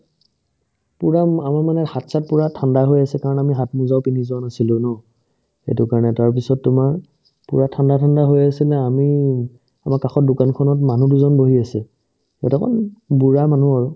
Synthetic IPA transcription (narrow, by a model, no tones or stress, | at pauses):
puɹaamaɹmanɛhatsat̚puɹatʰandaɦojasɛkaɹɔnamiɦatmuzaʊpinizɔanasilʊ̃nɔ | xḛtʊkaɹɔnɛtaɹpisɔtːʊmaɹ | puɹatʰandatʰandaɦojasilɛami | amaɹkaxɔt̚dukankʰɔnɔtmanuduzɔnboɦiasɛ | ɛtakʰɔ̰nbuɹamanuaɹʊ